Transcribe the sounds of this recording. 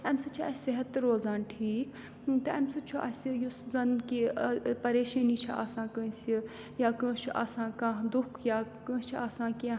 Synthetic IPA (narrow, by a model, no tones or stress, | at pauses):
ɐmsɐt͡ʃʰiʔɐeɦɐt̪ːɨɾoːzaːnʈʰiːk | t̪ɐɐmsɐt͡ʃʰuʔɐsijuszɐnkipɐɾeːʃɐ̃ːnit͡ʃʰɐʔa̰ːsãːkə̃ːsi | jaːkə̃ːt͡ʃʰuʔa̰ːsãːkãːɦd̪ʊkʰjaːkə̃ːt͡ʃʰiaːsãːkẽ